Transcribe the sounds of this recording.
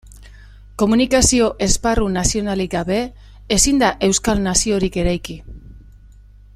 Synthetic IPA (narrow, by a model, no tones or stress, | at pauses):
ko̞munikasio̞ʔe̞sparunasio̞naliɡaβe̞ː | sind̪aʔe̞wskalnasio̞ɾike̞ɾajki